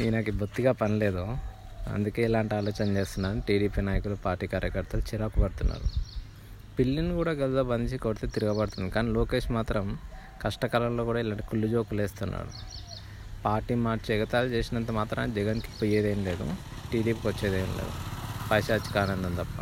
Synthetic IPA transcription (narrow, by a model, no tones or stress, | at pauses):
inɐkibʱot̪ːiɡaːpɐnile̞ːd̪u | ɐ̰nd̪uke̞ːilaːɳʈiaːloːt͡ʃɐnɐt͡ʃe̞ːst̪unːaːɾɐniʈiːɖiːpiːnaːjɐkulupaːɾʈːiːkaːɾjɐkɐɾt̪ɐlut͡ʃiɾaːkɐbɐɽt̪unːa̰ːɾu | pilːinːkuːɽaːɡɐlut̪ɐbɐnd̪it͡ʃikːɾt̪et̪iɾuɡɐbɐɽt̪und̪ikaːniloːke̞ːʂmaːt̪ɾɐm | kɐʂʈɐkɐlɐmlo̞ːkuːɽaːilaːɳʈi̥kulːud͡ʒo̞ːkule̞ːst̪unːa̰ːɽu | paːɾʈiːmaːɾt͡ʃɛɡɐt̪aːlut͡ʃeːsinɐnt̪ɐmaːt̪ɾɐd͡ʒɛɡɐnki̥pːɐjeːd̪enle̞ːd̪ṵ | ʈiːɖiːpikʋɐt͡ʃːeːd̪eːnlḛːd̪ṵpɐjʃaːt͡ʃi̥kaːnɐnd̪ɐmt̪ɐpːɐ